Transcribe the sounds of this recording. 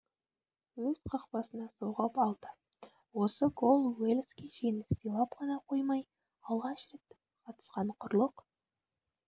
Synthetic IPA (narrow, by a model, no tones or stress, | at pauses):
wɵz̥qʰɑqpɑsənɑso̞wʁɑpɑlˠd̪̥ə | wo̞səɡolˠwelʲˠskʲiʒenɪssəjlˠɑpqʰɑnɑqʰo̞jmɑj | ɑlˠʁɑʃre̞t̪ | qʰɑt̪ə̥sqɑɴqʰʊɾlˠəq